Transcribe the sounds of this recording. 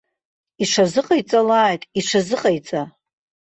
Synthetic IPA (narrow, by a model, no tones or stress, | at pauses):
iʂʰazɨqʼajt͡sʼalaːjtʼiʂʰazɨqʼajt͡sʼa